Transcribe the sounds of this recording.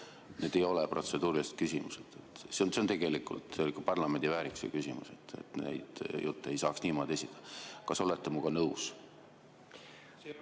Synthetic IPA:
ne̞ːd̪̥e̞jo̞lɛpro̞t̪se̞d̪̥uːɾiist̪̚kysʲimused̪̥et̪seonseont̪e̞ɡ̥e̞likˑṵlt̪eelikːupɑrlɑme̞nd̪ivæːɾiksḛkysʲimṵse̞t̪ːḛt̪nḛjd̪̥jut̪ːee̞jsɑːksniːmo̞d̪̥ʲe̞sʲid̪̥ˑɑ̥kɑso̞let̪ːemuɡ̥ɑnɤws

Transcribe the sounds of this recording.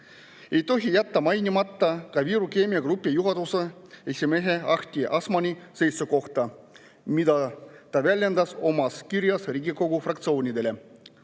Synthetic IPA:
e̞jt̪o̞ɦijæt̪ːɑmɑjnʲimɑt̪ːɑkɑviːɾukeːmiɑɡ̥rupːijuɦɑd̪useesʲimeɦe̞ɑxt̪ʲiʔɑsmɑnʲise̞jt̪suko̞xt̪ɑ | mid̪ɑt̪ɑvælʲjend̪ɑso̞mɑskiɾjɑsriːɡiko̞ɡufrɑk̚t̪sio̞ːnʲid̪e̞le̞

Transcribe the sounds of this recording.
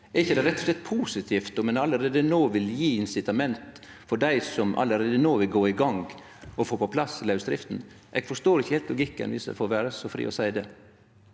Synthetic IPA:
ɛɾɪçːəd̪ɛɾɛt̪ːɔ̥slɛt̪ːpʰusɪt̪ʰiːft̪ɔmɛnɑlːəɾeːd̪ənoːʋɪljiːɪnsɪt̪ɑmɛnt̪ | fɔɖæɪsɔmʔɑ̰ləɾeːd̪ənoːʋɪlɡoːɪɡɑŋɡ | ɔfoːpɔpʰlɑslɑʉsd̪ɾɪft̪n | ʔɛ̰ːɡ̥fɔʂt̪oːɾɪçəheːlt̪lʊɡɪkːə̰nʋɪ̰sə̰fɔɾʋæːɾəsɔfɾḭːʔɔsæɪd̪ɛː

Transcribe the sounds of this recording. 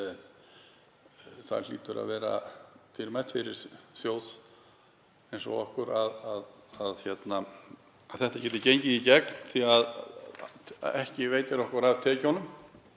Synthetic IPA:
θa̰ɾl̥ḭːt̪ʏɾa̰ðvɛːɾa̰t̪ʰɪɾmajt̪fɪɾɪɾ̥sjoːwð | ejnsɔ̰ɔhkʏɾaðaðaðçjɛt̪na | aðθɛht̪ḁcɛːt̪ɪcejɲcɪðicɛkn̥θiað | ɛhcɪvejt̪ɪɾɔhkʏɾavt̪ʰɛːcɔnʏm

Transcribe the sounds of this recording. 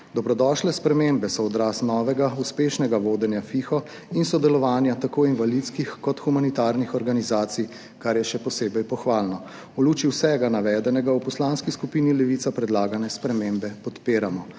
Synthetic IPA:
d̪ɔbɾɔd̪ɔːʃlɛspɾɛmembɛsɔɔd̪ɾaːsnɔːʋɛɡauspeːʃnɛɡaʋoːd̪ɛnjafiːxɔ | insɔd̪ɛlɔʋaːnjat̪akoːinʋalit̪skixkɔt̪xumanit̪aːɾnixɔɾɡanizaːt̪sij | kaɾjɛʃɛpɔseːbɛjpɔxʋaːlnɔ | uluːt͡ʃiwsɛɡanaʋɛːd̪ɛnɛɡawpɔslanskiskupiːnilɛʋit̪sapɾɛd̪laːɡanɛspɾɛmeːmbɛpɔt̪peːɾamɔ

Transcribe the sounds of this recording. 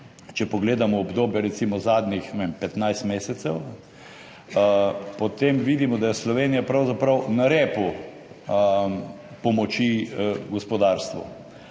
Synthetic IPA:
t͡ʃɛpɔɡleːd̪amɔɔbd̪oːbjɛɾɛt̪simɔzaːd̪nʲixɛʋempɛt̪najst̪meːsɛt̪sɛw | pɔt̪emʋiːd̪imɔd̪ajɛslɔʋeːnijapɾawzapɾawnaɾɛːpu | pɔmɔt͡ʃiɡɔspɔd̪aɾst̪ʋṵ

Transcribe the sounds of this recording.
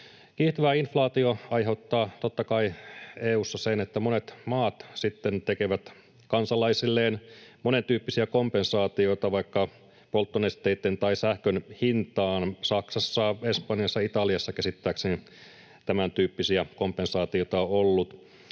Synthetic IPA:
kiːht̪ɑʋæːinflɑːt̪ioɑjɦe̞ut̪ːɑːt̪ot̪ːɑkɑieːuːsːɑsenet̪ːæmonet̪mɑːt̪sit̪ːent̪ekeʋæt̪ | kɑnsɑlɑisilːeːnmone̞nt̪yːpːisiækompe̞nsɑːt̪io̞it̪ɑʋɑikːɑ | po̞lt̪ːonest̪eit̪ːent̪ɑisæhkønhint̪ɑːnsɑksɑsːɑespɑnjɑsːɑit̪ɑliɑsːɑkesit̪ːæːkseni | t̪æmænt̪yːpːisiæko̞mpe̞nsɑːt̪iot̪ɑoolːut̪

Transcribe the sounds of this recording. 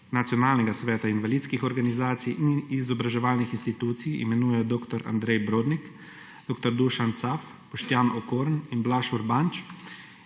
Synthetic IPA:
nat̪jɔnaːlnɛɡasʋɛːt̪ainʋaliːt̪skixɔɾɡanizaːt̪sijʔinizɔbɾaʒɛʋaːlnixinst̪it̪uːt̪sijḭmɛnuːjɛjɔd̪oːkt̪ɔɾa̰nd̪ɾɛjbɾoːd̪nik | d̪̥oːk̚t̪ɔɾd̪uʃant̪saf | pɔʃt̪jaːnɔkoːɾninblaʃuɾbant͡ʃ

